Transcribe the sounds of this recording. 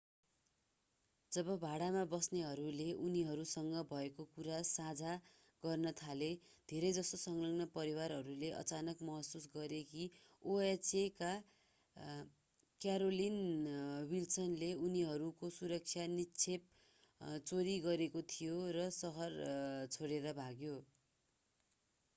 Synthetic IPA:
d͡zʌbʌbʱaɽamabʌsneɦʌɾuleʔuniɦʌɾusʌŋɡʌbʱʌekokuɾasad͡zʱa | ɡʌrnʌt̪ʰale | d̪ʱeɾʌjd͡zʌst̪osʌŋlʌŋnʌpʌɾiwaɾɦʌɾuleʔʌ̰t͡sanʌkmʌɦʌsusɡʌɾeki | oet͡seka | kjaɾolinwilsʌnleuniɦʌɾukosuɾʌk̚sʰjanit͡sʰep̚ | t͡soɾiɡʌɾekot̪ʰijorʌsʌɦʌrt͡sʰoɽeɾʌbʱaɡjo

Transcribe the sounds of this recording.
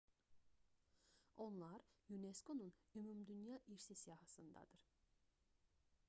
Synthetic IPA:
o̞nlˠaɾjunesko̞nunymumd̪ynjɑːʔiɾsisijɑɦasɯnd̪ɑ̰d̪ɯɾ̥

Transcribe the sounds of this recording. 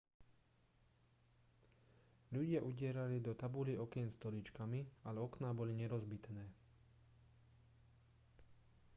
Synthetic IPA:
ʎuɟɪaʔuɟɪɛɾalid̪ɔt̪abuliɔkɛnst̪ɔlit͡ʃkamialɛɔknabɔliɲɛɾɔzbit̪nɛː

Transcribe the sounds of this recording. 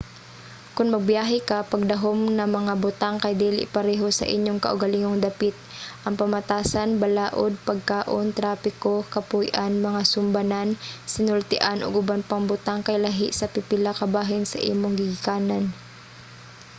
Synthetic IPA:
kʊnmɐɡ̚bjaːɦɛkɐpɐɡ̚d̪ɐɦomnɐmɐŋabʊt̪aŋkɐjd̪ɛːlʔɪ̰pɐɾɛɦosɐ̰ʔɪ̰ɲjoŋkɐ̰ʔʊɡɐliŋoŋd̪ɐpɪt̪̚ʔɐŋpɐmɐt̪aːsanbɐlaːʔod̪̚pɐɡ̚kaːʔont̪ɾaːpɪkokɐpujʔanmɐŋasʊmbanansɪnʊlt̪ɪʔanʔo̰ɡʊbanpɐŋbʊt̪aŋkɐjlaɦɪʔsɐpɪpɪlakɐbaːɦɪnsɐ̰ʔḭːmoŋɡɪɡɪkaːnan

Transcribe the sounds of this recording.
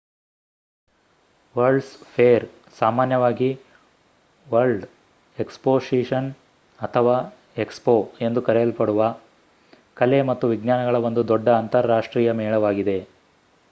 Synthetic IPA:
ʋɐɾɖspʰeːɾ | saːmaːnjɐʋaːɡi | ʋɐɾɭɖ | ekspoːʂiʂɐn | ɐt̪ʰɐʋaː | e̞kspoːe̞nd̪ukɐɾɛjɐlpɐɽuʋɐ | kɐle̞mɐt̪ːuʋiɡnaːnɐɡɐɭɐʋond̪ud̪ɔɖːɐːnt̪ɐɾːaːʂʈɾiːjɐmɛːɭɐʋaːɡid̪e̞

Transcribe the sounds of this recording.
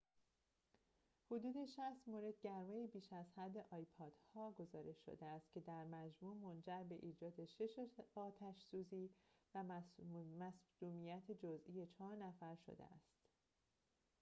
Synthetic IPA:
hod̪uːd̪e̞ʃæst̪moːɾe̞d̪̥̚ɟæɾmejibiːʃæzhæd̪ːe̞ʔɒːjpʰɒːd̪̥hɒːɡo̞zɒːɾe̞ʃːo̰d̪eæst̪̚cʲʰed̪æɾmæd͡ʒmuːmond͡ʒæɾbe̞ʔiːd͡ʒɒːd̪e̞ʃeʃɒːt̪ʰæʃsuːziːvæ | mæsd̪uːmijæt̪ʰed͡ʒozʔije̞t͡ʃʰɒːɾnæfæɾʃo̰d̪ḛæ̰st̪

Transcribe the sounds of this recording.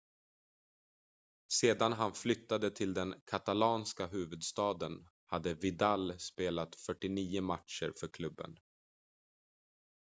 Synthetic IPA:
seːd̪anɦanflʏt̪ːad̪ət̪ʰɪld̪ɛnkʰat̪alɑːnskaɦʉ̟ːvɵd̪st̪ɑːd̪ən | had̪ːəvɪd̪alspeːlat̪fœʈːɪniːʊmat̪ʂə̰ɾfœɾkʰlɵbːə̰n

